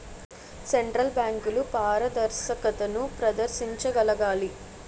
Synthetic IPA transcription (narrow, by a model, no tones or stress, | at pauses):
seɳʈɾɐlbjaːŋkulupaːɾɐd̪ɐɾsɐkɐt̪ɐnupɾɐd̪ɐɾʃiɲt͡ʃɐɡɐlɐɡaːli